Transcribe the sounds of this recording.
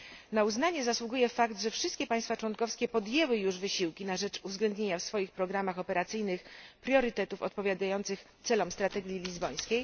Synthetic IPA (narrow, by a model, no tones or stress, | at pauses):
nauznaɲɛzaswuɡujɛfakt̪ʐɛfʂɘst̪kʲɛpaj̃st̪fat͡ʂwɔŋkɔfskʲɛpɔd̪jɛwɘjuʐvɘɕiwkʲinaʐɛt͡ʂuvzɡlɛnd̪ɲeɲafsfɔjixpɾɔɡɾamaxɔpɛɾat̪sɘjnɘxpɾʲjɔɾɘt̪ɛt̪ufɔ̰t̪̚pɔvʲjad̪ajɔnt̪sɘxt̪sɛlɔmst̪ɾat̪ɛɡʲjilʲizbɔj̃skʲej